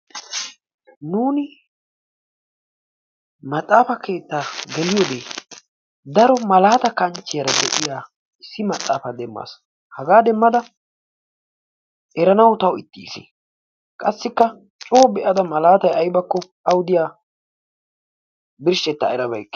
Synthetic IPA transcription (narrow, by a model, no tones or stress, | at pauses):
nuːnɪ | mɐt̪ʼːaːfɐkʰe̞ːt̪ːaːɡɛlɪjod̪eː | d̪ɐɾɔmɐlaːt̪ɐkɐnt͡ʃːɪjɐɾɐd̪ɛʔɪjaː | ɪsːɪmɐt̪ʼːa̰ːfɐd̪ɛmːa̰ːs | hɐɡaːd̪ɛmːɐd̪ɐ | ɛɾɐnɐwʊt̪ɐwɪt̪ːiːsɪ̰ | kʼɐsːɪkːɐ | t͡ʃʼo̞ːbɛʔɐd̪ɐmɐlaːt̪ɐjɐjbɐkːɔ | ɐwʊd̪ɪjaː | bɪɾʃɛt̪ːɐ̰ɛɾɐbɐ̰jkː